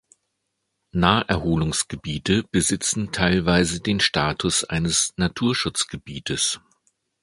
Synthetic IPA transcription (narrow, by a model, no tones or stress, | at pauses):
naːʔɛɐɦoːlʊŋsɡ̥əbiːtʰəb̥əzɪt͡sn̩tʰaɪlvaɪzədeːnʃtaːtʰʊsʔa̰ɪnəsnatʰuːɐʃʊt͡sɡ̥əbiːtʰəs